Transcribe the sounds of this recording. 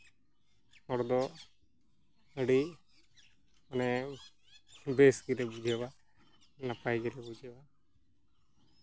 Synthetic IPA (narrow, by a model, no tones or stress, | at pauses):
hɔɾd̪ɔ | əɽi | ɔnɛ | besɡɛlɛbud͡ʒʱɛba | napajɡɛlɛbud͡ʒɛba